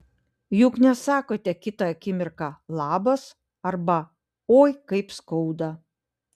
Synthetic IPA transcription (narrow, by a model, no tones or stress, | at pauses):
jʊknʲɛsɑːkoːt̪ʲɛkʲɪt̪ɐɐkʲɪmʲɪɾkɑlˠɑːbɐs | ɐɾbɐ | oːjkɐɪpskɔʊd̪ɐ